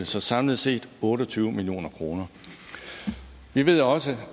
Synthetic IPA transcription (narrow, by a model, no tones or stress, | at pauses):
əsɒ̽sɑ̈mləð̩ˠse̝̰ːd̥ɔ̽ːɾɒ̽t͡sʰyːʊmilio̝̰ːnɐkʰʁo̝ːnɐ | ʋiʋe̝ð̞̰ˠɒ̽sə